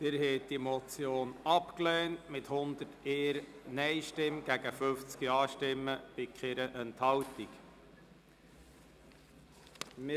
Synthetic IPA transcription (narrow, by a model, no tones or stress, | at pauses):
tɪɾhɛːt̚d̥imɔt͡sjoːnɑpklɛːntmɪthʊnd̪əteːɾnɛɪʃtɪmɡ̥æɡəfɵft͡skiɑːʃtɪmːəb̥ɪkχɪɾəʔɛnthɑltik | mɪ